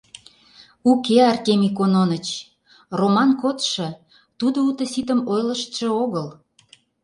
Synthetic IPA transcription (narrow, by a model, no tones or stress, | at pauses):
ukeɑrt̪ʲemikononət͡ɕ | romɑnkot̪ʃɤ̆ | t̪ud̪out̪ə̆sit̪əmojləʃt̪ʃə̆oɣəl